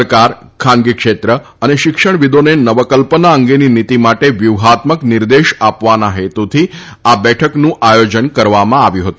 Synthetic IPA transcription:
ɾkaɾ | kʰãnɡikʃet̪ɾə | əneʃɪkʂəɳ̃ʋid̪onenəʋəkəlpənaəŋɡeninit̪imaʈeʋjuʋɦat̪məknɪɾd̪eʃapʋanaɦet̪ut̪ʰi | abɛʈʰəknũʔajod͡ʒənkəɾʋamãaʋjũɦət̪ũ

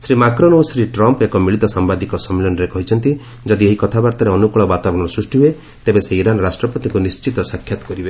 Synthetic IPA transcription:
sɾimakɾonosɾiʈɾɔmpekɔmiɭit̪ɔsambad̪ikɔsɔmːelɔnɔɾekɔɦit͡ʃʰɔnt̪i | d͡ʒɔd̪ieɦikɔt̪ʰabaɾt̪ɔɾeɔnukɔɭɔbat̪abɔɽ̃ɔɾɔsɾusʈiɦue | t̪ebeseiɾanɔɾasʈɾɔpɔt̪ikunist͡ʃit̪ɔsakʰːjat̪ɔ̥kɔɾibe

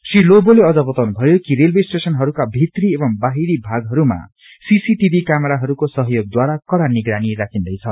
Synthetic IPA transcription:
sriloboleʌd͡zʌbʌt̪awnubʱʌjokiɾelbesʈesʌnɦʌɾukabʱit̪riebʌmbaɦiɾibʱaɡɦʌɾuma̰ | sisiʈibʱikameɾaɦʌɾukosʌɦʌjoɡ̚d̪waɾakʌɽaniɡɾaniɾakʰind̪ʌjt͡sʰʌ

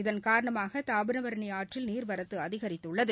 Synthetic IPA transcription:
ɪðɐnkaːɾɐɳɐmaːɣɐt̪aːbɯnɐʋɐɾɐɳɐjaːʈrɪlniːɾʋɐɾɐt̪ːɯɐðɪɣɐɾɪt̪ːɯɭːɐðɯ

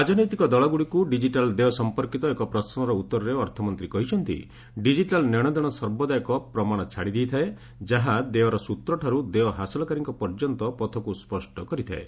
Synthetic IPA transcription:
ad͡ʒɔnɔjt̪ikɔd̪ɔɭɔɡuɽikuɖid͡ʒiʈald̪eɔsɔmpɔɾkit̪ɔekɔpɾɔsɔmɔɾɔut̪ːɔɾɔɾeɔɾt̪ʰɔmɔnt̪ɾikɔɦit͡ʃʰɔnt̪ḭ | ɖid͡ʒiʈalnɔɽ̃ɔd̪ɔɽ̃ɔsɔɾbɔd̪ajɔkɔpɾɔmaɽ̃ɔt͡ʃʰaɽid̪ijt̪ʰae | d͡ʒaɦad̪eɔɾɔsut̪ɾɔʈʰaɾud̪eɔɦasɔlɔkaɾiŋkɔpɔɾd͡ʒɔnt̪ɔpɔt̪ʰɔkuspɔsʈɔkɔɾit̪ʰa̰ḛ

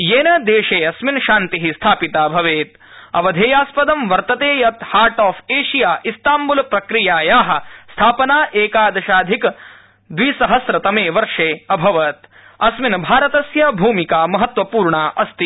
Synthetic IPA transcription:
jeːnɐd̪eːʃeːɐsminʃaːnt̪iɦist̪ʰaːpit̪aːbʱɐʋeːt̪ | ɐ̰ʋɐd̪ʱeːjaːspɐd̪ɐmʋɐɾt̪ɐt̪eːjɐt̪haːɾʈaːfeːʃijaːʔist̪aːmbulpɾɐkɾijaːjaːɦɐ̆st̪ʰaːpɐnaːʔeːkaːd̪ɐʃaːd̪ʱik | d̪ʋisɐɦɐsɾɐt̪ɐmeːʋɐɾʂeːɐbʱɐʋɐt̪ | ɐsminbʱaːɾɐt̪ɐsjɐbʱuːmikaːmɐɦɐt̪ʋɐpuːɾɳaːʔɐst̪i

